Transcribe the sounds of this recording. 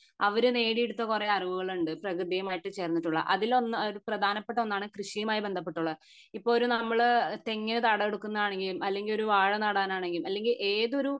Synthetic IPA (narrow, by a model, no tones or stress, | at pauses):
ɐʋɐɾune̞ːɽijeɽut̪ːɐkureɐriʋuɣɐɭuɳɖɨprɐkɾɨd̪ijɐmaːjiʈːɨt͡ɕe̞ːrnːiʈːuɭːɐ̰ʔɐðilo̞nːɐɾuprɐd̪ʱaːnɐpːe̞ʈːɐonːaːɳɨkrɨʂijɐmaːjibend̪ʱɐp̬ːe̞ʈːuɭːɐðɨ | ipːoːɭoɾunɐmːɐɭt̪eŋːɐnet̪ɐɽɐeɽukːunːɐðaːɳe̞ŋɡilumʔɐlːe̞ŋɡiloɾuʋaːɻɐnɐɽaːnaːɳe̞ŋɡilumɐlːe̞ŋɡilʔe̞ːðo̞ɾu